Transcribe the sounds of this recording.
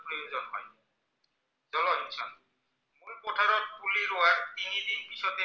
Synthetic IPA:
pɾɔjozɔnɦɔ̰j | zɔlɔɦisʰɔn | mulpotʰaɾɔɾkʰuliɾowaɹt̪inid̪ikpisɔt̪e

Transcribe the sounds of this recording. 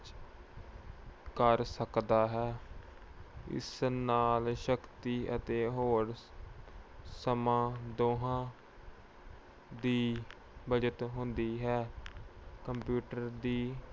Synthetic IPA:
t͡ʃ | kəɾsəkd̪aːɦɛː | ɪ̰snaːlʃəkt̪iːʔət̪eːɦoːɾ | səmãːd̪oːɦãː | d̪iː | bəd͡ʒət̪ɦʊ̃nd̪iːɦɛː | kəmpjuːʈəɾd̪iː

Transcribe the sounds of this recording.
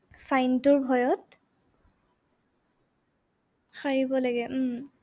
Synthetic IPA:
fajntʊɹbʱɔjɔt | xaɹibɔlaɡɛ

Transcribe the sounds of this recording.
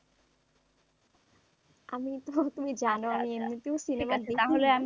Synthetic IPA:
amit̪ot̪umid͡ʑanoamiemnit̪ewsinemad̪iaɦoleam

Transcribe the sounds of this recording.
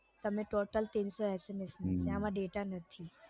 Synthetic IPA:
t̪ɐmẽʈoːʈəlt̪ĩːnsɔɛːsemesneseamaɖeːʈanɐt̪ʰi

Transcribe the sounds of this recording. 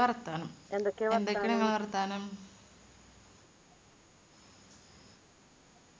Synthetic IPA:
ɐrɐt̪ːaːnɨmend̪okːeend̪ekːeneŋːɐɭʋɐrɐt̪ːaːnɨm

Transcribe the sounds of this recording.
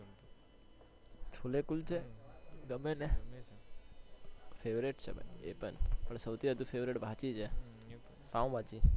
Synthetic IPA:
t͡ʃʰulekult͡ʃʰeɡəmene | fʰeʋɾeʈt͡ʃʰḛb̰ḛpə̰npəɳsəwt̪ʰiɦəd̪ũfʰeʋɾeʈbʱãt͡ʃit͡ʃʰe | t̪ãũbʱãt͡ʃi

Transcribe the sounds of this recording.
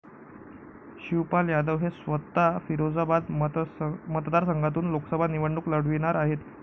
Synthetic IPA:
ɕiwpaljad̪əʋɦesʋət̪ːafiɾod͡zəbad̪ | mət̪d̪aɾsəŋɡʱat̪̬uːnloksəbʱaniʋəɳɖuːkləɽ̤ʋiɽ̃aɾaɦet̪

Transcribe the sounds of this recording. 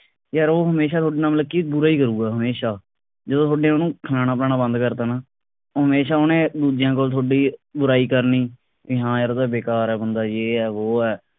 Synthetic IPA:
jaːɾoːɦəmeːʃaːt̪ʰoːɖiːnaːmləkːiːbʊɾaːiːkəɾuːɡaːɦəmeːʃaː | d͡ʒəd̪õːt̪ʰoːɖeːanũːkʰənaːnaːpnaːnãːbə̃nd̪kəɾd̪aːnaː | ɦəmeːʃaːonẽːd̪uːd͡ʒɪjãːk̬oːlt̪ʰoːɖiːbʊɾaːiːkəɾniː | ɪɦãːjaːɾd̪aːbeːkaːɾɛːbənd̪aːjeːɛːʋoːɛː

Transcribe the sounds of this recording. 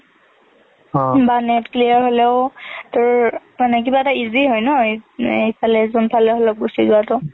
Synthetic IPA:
banɛtkliaɹɦolɛʊtʊɹmanɛk̬ibaɛtaiziɦojnɔesalɛzɔnpʰalɛɦɔlɔk̚ɡusizʊatʊ

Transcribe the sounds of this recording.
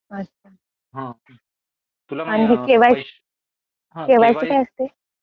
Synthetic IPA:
ət | a | ɦa | añiɦekeʋaj | keʋajt͡ɕiːkajəst̪e

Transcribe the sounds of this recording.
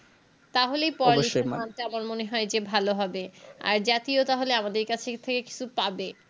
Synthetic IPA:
t̪aɦolejpɔɾiʃaanʈaamaɾmoneɦɔed͡ʑebʱaloɦɔbea̰ɾd͡ʑat̪iot̪aɦoleamad̪eɾkat͡ɕʰet̪ʰekeki̥t͡ɕʰupabe

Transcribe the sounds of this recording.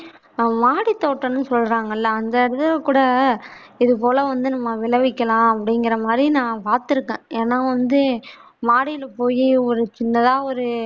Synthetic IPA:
maːɽit̪ːoːʈːɐnːɯsɔlːɾaːŋɡɐɪlːɐːnd̪ɐɪɾɯðɐlkuːɽɐ | ɪðɯpoːlɐʋɐnd̪ɯnɐmːɐʋɪɭɐʋɪkːɐlãːɐpːɐɽɪŋɡɪɾɐmaːd̪ɾinãːpaːɾt̪ɪɾɯkːẽːeːnaːʋɐnd̪ɯ | maːɽɪjɪlpoːjiɔɾɯt͡ʃɪnːɐðãːɔɾɯ

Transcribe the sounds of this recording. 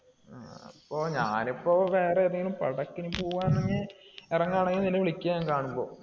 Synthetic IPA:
aɐpːoːɲa̰ːnipːoːʋe̞ːreːðɐŋɡilumpɐ̰ɽɐkːinɨpoːʋaːnnːɐɲːɨerɐŋːaːɳeŋːininːɨʋiɭikʲːɐjjaːŋkaːɳumbo̞̰ː

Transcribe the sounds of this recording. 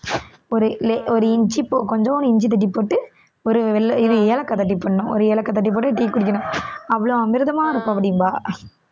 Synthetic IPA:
ɔɾɯlɛɔɾɯɪɲd͡ʒipːoːkɔɲd͡ʒɐnɪɲd͡ʒit̪̬ɐʈ̬ːipːoːʈːɯ | ɔɾɯʋɛlɪðɯeːlɐkːɐt̪ɐʈ̬ːipːɐɳːɐnʊ̃ɔ̰ɾɯeːlɐkːɐt̪̬ɐʈ̬ːip̬ːoːʈːɯʈiːkkːʊɽɪk̬ʲːɐnʊ̃ɐʋːɐɭoɐmɪɾɯðɐmaːɪɾɯkːʊ̃ɐpːɐɽɪjmbaː

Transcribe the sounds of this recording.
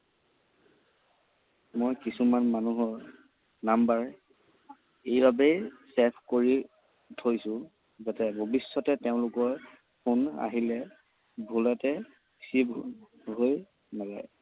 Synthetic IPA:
mojkisumanmanuɦɔɹ | nambaɹ | ejbabejsɛpʰkoɹi | tʰojsʊ̃ | zatɛbʱobisːɔtɛteʊ̃lʊkɔɹ | pʰuna̰ɦilɛ | bʱulɛtɛ | sib | ɦoj | nalaj

